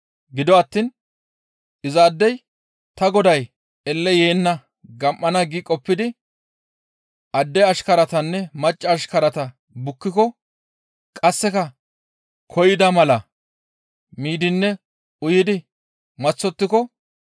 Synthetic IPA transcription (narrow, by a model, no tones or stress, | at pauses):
ɡɪd̪ɔɐt̪ːiːn | ʔɪzaːd̪ːɛj | t̪ɐɡɔd̪ɐj | ɛlːɛjeːnːɐ | ɡɐmʔːɐnɐɡikʼɔpːɪd̪ɪ | ʔɐd̪ːɛɐʃkɐɾɐt̪ɐnːɛmɐt͡ʃʼːɐːʃkɐɾɐt̪ɐ | bʊkːɪkɔ | kʼɐsːɛkɐ | kʰɔjɪd̪ɐmɐlɐ | miːd̪ɪnːɛ | ʊjɪd̪ɪ | mɐt͡sːɔt̪ːɪkɔ